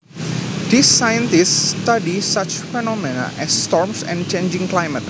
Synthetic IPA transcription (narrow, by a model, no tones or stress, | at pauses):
disːajə̃nt̪istːt̪adisat͡ʃfɛnɔmena̰ʔɛsːt̪ɔɾmsɛ̰̃nt͡ʃẽnd͡ʒɪ̃ŋklajmət̪̚